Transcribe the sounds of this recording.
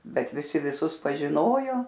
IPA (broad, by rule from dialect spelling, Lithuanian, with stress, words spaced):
ˈbʲɛt ʋʲɪˈsʲɪ ʋʲɪˈsʊs pɐʒʲɪˈnoːjoː